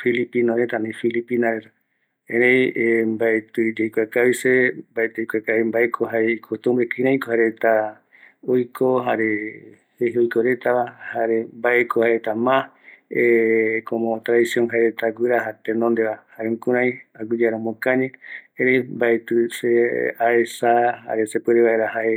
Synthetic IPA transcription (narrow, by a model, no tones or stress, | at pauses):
filipinõɾet̪anĩfilipinaɾet̪a | ẽɾejembaet̪ɨd͡ʒejkʷakaβisembaet̪ejkʷekaβimbaekʰoɦaɾeikʰot̪ũmbekĩɾãĩkohaɾet̪a | ojkʰoɦaɾe | heheojkoɾe̞t̪aβahaɾembaekʰohaɾet̪amã | ekõmõt̪ɾaðisioŋɦaeɾet̪aɡʷɨɾaɦat̪enõnd̪eβahaɾeũŋkuɾãj̃aɡɨd͡ʒaɾõmõkãɲẽẽɾejmbaet̪ɨseaesaha̰ɾesepweɾeβaeɾahae